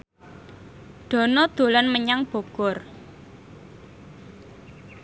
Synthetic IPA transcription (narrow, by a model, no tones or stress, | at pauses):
ɖ̪̥ɔ̤nɔd̪̥o̤lɔnməɲaŋb̥o̤ɡ̥ɔr